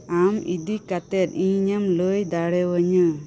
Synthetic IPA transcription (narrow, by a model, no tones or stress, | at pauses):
amḭd̪ikat̪ɛt̪̚iɲɲəmləjd̪aɽɛwəɲə